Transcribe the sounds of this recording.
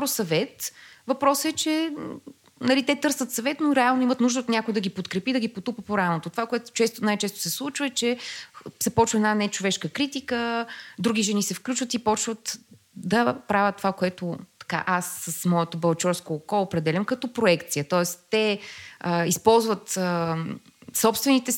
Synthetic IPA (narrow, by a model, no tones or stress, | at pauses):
pɾosɐvɛt̪vɐpɾɔsəɛt͡ʃɛ | nɐlit̪ɛt̪ɤɾsət̪sɐvɛt̪noɾɛalˠnoimət̪nuʒd̪əot̪nʲjakʊɛd̪ɐɡʲipot̪kɾɛpid̪ɐɡipot̪upəpoɾanot̪ot̪ovakoɛt̪ʊ̥t͡ʃɛst̪onajt͡ʃɛst̪o̥sɛslˠut͡ʃvəɛt͡ʃɛsɛpɔt͡ʃvəɛnanɛt͡ʃovɛʃkəkɾit̪ikəd̪ɾuɡʲiʒɛnisɛfklʲut͡ʃvət̪ipɔt͡ʃvət̪ | d̪ɐpɾavʲət̪ːovakoɛt̪ot̪ɐ̥ka̰ʔasːəsmɔɛt̪obɐlˠt͡ʃɔɾskoːkɔlˠoːpɾɛd̪ɛlʲəmkɐt̪ɔpɾoɛkt̪sijət̪ɔɛst̪ɛəispɔlˠzvət̪ə | sɔpst̪vɛnit̪ɛ